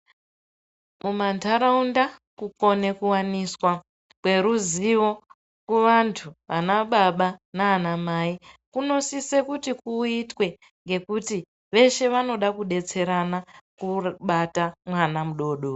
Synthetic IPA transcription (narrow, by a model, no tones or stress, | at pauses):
mumantʰaɾaundakuko̞ne̞kuwaniswa | kwe̞ɾuziʋo̞ | kuʋantʰuʋanaɓaɓanaːnamaikuno̞sise̞kutikuitwe̞ | ŋɡe̞kuti | ʋe̞ʃe̞ʋano̞ɗakuɗe̞t͡se̞ɾanakuɓatamwanamuɗo̞ːɗo